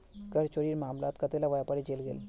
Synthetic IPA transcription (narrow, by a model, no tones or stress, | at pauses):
kəɾt͡ʃoːɾiːɾmaːmlaːt̪kɐt̪elaʋaːjapɐɾid͡ʒeːlɡḛːl